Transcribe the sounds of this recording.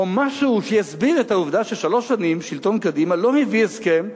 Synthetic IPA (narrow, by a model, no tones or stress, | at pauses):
omaʃuuʃejasbiʁet̪hauvd̪aʃeʃalo̞ʃanimʃilt̪o̞nkad̪imalo̞hevieskem